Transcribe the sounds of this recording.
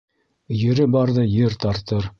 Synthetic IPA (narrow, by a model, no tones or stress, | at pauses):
jɘ̆ɾɘbɑɾðɤjɘɾt̪ɑɾt̪ɤɾ